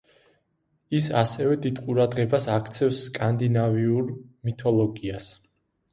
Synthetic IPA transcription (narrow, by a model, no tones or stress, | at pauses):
isasɛvɛd̪id̪̥qʼuɾad̪ʁɛbasakʰt̪sʰɛfsːkʼand̪inaviuɾmit̪ʰɔlˠɔɡias